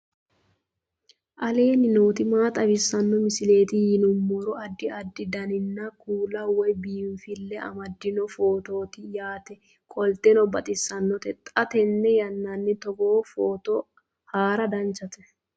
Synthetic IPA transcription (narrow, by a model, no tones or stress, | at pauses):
ʔɐle̞ːnɪnoːt̪ɪmaːt̪ʼɐbɪsːɐnːɔmɪsɪle̞ːt̪ɪjɪnʊmːɔɾɔɐd̪ːɪɐd̪ːɪd̪ɐnɪnːɐkuːlɐwɔjbiːɱfɪlːɛɐ̰mɐd̪ːɪnɔfo̞ːt̪o̞ːt̪ɪjaːt̪ɛ | kʼɔlt̪ɛnɔbɐt̪ʼɪsːɐnːɔt̪ɛt̪ʼɐt̪ɛnːɛjɐnːɐnːɪt̪ɔɡoːfoːt̪ɔ | haːɾɐd̪ɐnt͡ʃːɐt̪ɛ̥